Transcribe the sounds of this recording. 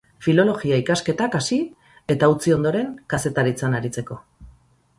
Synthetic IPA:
filo̞lo̞ɣiaikaske̞t̪akasi | e̞t̪aut͡sio̞nd̪o̞ɾe̞ŋkase̞t̪aɾit͡sanaɾit͡se̞ko̞

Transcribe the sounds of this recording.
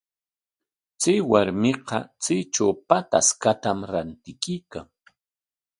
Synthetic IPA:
t͡sajwaɾmɪqɑt͡sijt͡ʃawpat̪a̰skat̪amɾant̪ɪkijkaŋ

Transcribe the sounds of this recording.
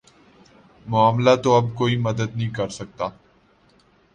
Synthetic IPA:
mʊaːmlat̪oɐbkoːimɐd̪əd̪nɐɦĩkɐɾsɐk̚t̪aː

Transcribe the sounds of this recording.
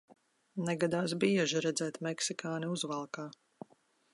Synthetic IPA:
nɛɡad̪aːsbiɛʒiɾɛd̪zɛːt̪mɛksikaːniuzvalˠkaː

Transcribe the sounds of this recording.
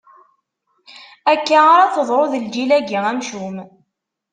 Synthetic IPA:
ækːaaɾat͡səðˤɾˤoðəld͡ʒilæɡiŋænʃum

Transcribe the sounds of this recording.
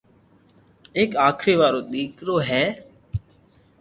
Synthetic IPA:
eːkaːkʰɾeːʋaːɾoːɗ̪iːkɾoːɦɛː

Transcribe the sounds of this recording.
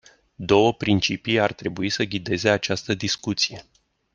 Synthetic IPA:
d̪o̞wəpɾint͡ʃipiart̪ɾe̞buisəɡʲid̪e̞ze̞at͡ʃast̪əd̪iskut̪sije̞

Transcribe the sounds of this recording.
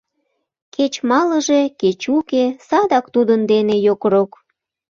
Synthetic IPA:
ket͡ɕmɑləʒeket͡ɕukesɑd̪ɑkt̪ud̪ənd̪enejokɾok

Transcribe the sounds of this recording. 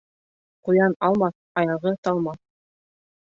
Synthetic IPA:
qujɑnɑlˠmɑθ | ɑjɑʁɤt̪ɑlˠmɑ

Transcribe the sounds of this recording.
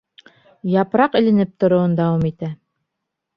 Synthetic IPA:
jɑpɾɑqɘ̆lɘ̆nɘp̚t̪ŏɾŏwɤnd̪ɑwɑmit̪æ

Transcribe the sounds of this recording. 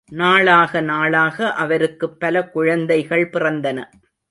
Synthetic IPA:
naːɭaːɣɐnaːɭaːɣɐʔɐʋɐɾɯkːɯpːɐlɐkʊɻɐnd̪ɐɪɣɐɭpɪrɐnd̪ɐnɐ̰

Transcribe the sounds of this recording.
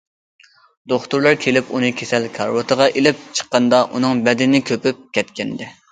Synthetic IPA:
d̪oχt̪uɾlˠɑɾkʲʰelɪpunɨkʲʰesɛlkʰɑ̰ɾwot̪ʰəʁɑʔelɪp̚t͡ʃʰə̥qːɑnd̪ɑʔunɨŋbɛd̪ɪnɪkʲʰøpyp̚kʲʰɛt̪kʲɛnd̪ɪ

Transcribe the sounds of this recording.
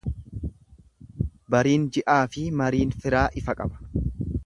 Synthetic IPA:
bɐɾiːnd͡ʒɪʔaːfɪmɐɾiːnfɪɾaːʔɪfɐkʼɐbɐ̥

